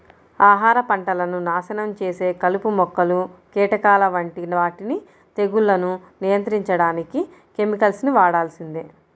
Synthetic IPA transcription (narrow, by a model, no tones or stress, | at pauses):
aːɦaːɾɐpɐɳʈɐlɐnunaːsɐnɐmt͡ʃeːse̞ːkɐlupumɔkːɐlukɛːʈɐkaːlɐʋɐɳʈinʋaːʈini | t̪e̞ɡulːɐnunijɐnt̪ɾiɲt͡ʃɐɽaːniki | ke̞mikɐlsniʋaːɽaːlsind̪i